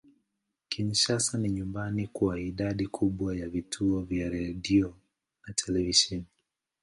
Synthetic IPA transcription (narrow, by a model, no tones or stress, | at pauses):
kinʃasaniɲumbanikuaiɗaɗikʰuɓwajavitʰuɔvjaɾɛɗiɔ | natʰɛlɛviʃɛni